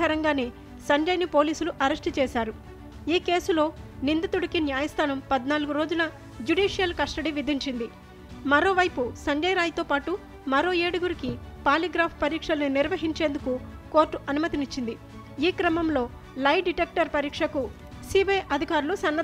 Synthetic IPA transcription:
ɐɾɐŋɡaːneː | sɐɲd͡ʒɐjnipo̞ːliːsuluʔɐɾɐsʈit͡ʃɛːʃaːɾu | iːke̞ːsulo̞ːnind̪it̪uɽikinjaːjɐst̪ʰaːnɐmpɐd̪naːluɡuɾo̞ːd͡ʒunɐ | d͡ʒuɖiːʂijɐlkɐsʈɐɽiʋid̪iɲt͡ʃind̪i | mɐɾo̞ːʋɐjpusɐɲd͡ʒɐjɾaːjt̪o̞ːpaːʈu | mɐɾo̞ːeːɽuɡuɾikipaːliɡɾaːpʰpɐɾiːkʂɐlɐniniɾʋɐɦiɲt͡ʃe̞ːnd̪ukuko̞ːɾʈːuʔɐnumɐt̪init͡ʃːind̪i | iːkɾɐmɐmlo̞ː | lɐjɖiʈeːk̚ʈɐɾpɐɾiːkʂɐku | siːbɐjʔɐd̪ʱikaːɾulusɐnːɐ

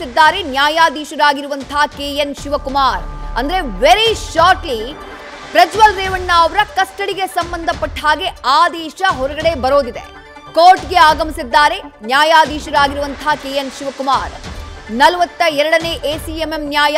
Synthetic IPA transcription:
sid̪ːaːɾe̞njaːjaːd̪iːʃɐɾaːɡiɾuʋɐnt̪ʰaːkeːjenʃiʋɐkumaːɾɐnd̪ɐɾeʋeɾiʃaːɾʈli | pɾɐd͡ʒʋɐlɾeːʋɐɳːaɐʋɐɾɐkɐsʈɐɽiɡe̞sɐmbɐnd̪ʱɐpːɐʈːɦaːɡe̞aːd̪ɛːʃɐɦɔɾɐɡɐɽe̞bɐɾoːd̪id̪ḛ | koːɾʈɡe̞aːɡɐmisid̪ːaːɾe̞njaːjaːd̪iːʃɐɾaːɡiɾuʋɐnt̪ʰaːkeːjenʃiʋɐkumaːɾnɐlɐʋɐt̪ːɐɛɾɐɽɐne̞ːʔeːsiememnjaːja

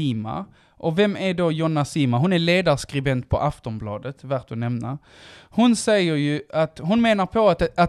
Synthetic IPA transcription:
iːma̰ | ʔɔvɛmæɖɔjɔnːasiːmaɦʊnæɭeːd̪aɾskɾɪbɛnt̪̚pʰɔ̰ʔaft̪ɔmblɑːd̪ət̪væɾt̪̚hʊnɛmna | hʊnsɛjːəɾjɵat̪ɦʊnmeːnaɾpʰɔat̪

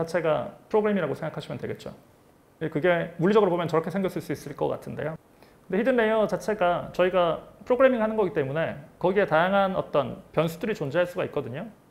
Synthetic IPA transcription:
at͡ɕʰe̞ɡapʰɯɾoɡɯɾe̞miɾaɡosʰeŋɡakʰaɕʰimʌndweɡe̞t̚t͡ɕ͈o̰ | kɯɡe̞muɭːid͡ʑʌɡɯɾobomjʌnt͡ɕʌɾʌkʰe̞sʰeŋɡjʌɭs͈ɯɭs͈uis͈ɯɭk͈ʌk͈a̰tʰɯnde̞̰jo | kɯndeçʰidɯnːe̞jʌt͡ɕat͡ɕʰe̞ɡat͡ɕʌiɡapʰɯɾoɡɯɾe̞miŋhanɯnɡʌɡit͈e̞mune̞kʌɡie̞tajaŋɦanʌ̰t͈ʌnpjʌnsʰudɯɾit͡ɕond͡ʑeɦaɭs͈uɡaik̚k͈ʌdɯɲo

